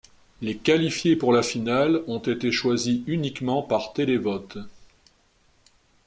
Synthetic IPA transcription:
lekalifjepuʁlafinalɔ̃t̪et̪eʃwaziynikmɑ̃paʁt̪elevɔt̪

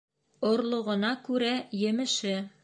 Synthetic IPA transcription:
ŏɾlˠŏʁɤ̆nɑkʉɾæjɘ̆mɘ̆ʃɘ

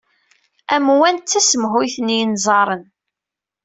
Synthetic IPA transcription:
æmwænt̪ːæsəmɦʊjθənjənzˤɑɾˤən

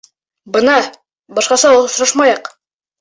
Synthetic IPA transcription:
bɤnɑ | bɒʃqɑsɑosɾɑʃmɑjɑq

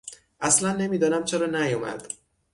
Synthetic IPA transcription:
ʔæslænːe̞miːd̪ɒːnæmt͡ʃʰeɾɒːnæjomæ̰d̪̥

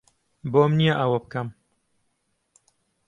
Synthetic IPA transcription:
boːmnijaʔɐwɐbɨkɐm

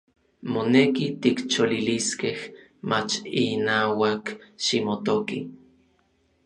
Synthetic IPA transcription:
monekit̪ikt͡ʃoliliskeh | mat͡ʃinaːwakʃimot̪oki

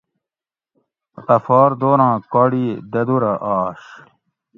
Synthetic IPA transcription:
t̪ɐfɔːɾd̪oːɾãːkɔːɽid̪ɐd̪uɾɐʔaːʂ

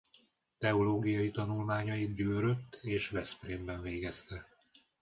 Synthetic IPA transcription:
t̪ɛoloːɡijɒjit̪ɒnulmaːɲɒjid̪ɟøːɾøt̪ːeːʃvɛspreːmbɛɱveːɡɛst̪ɛ

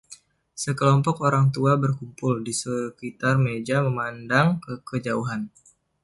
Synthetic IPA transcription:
səkəlɔmpɔkoɾaŋt̪uabərkumpʊldisəkit̪armed͡ʒaməmandaŋkəkəd͡ʒauɦan

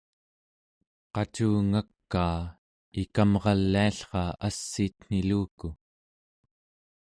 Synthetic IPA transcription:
qɑt͡ʃuːŋakːaː | ikamʁɑlːiaɬχɑasːiːt̪n̥iluːku

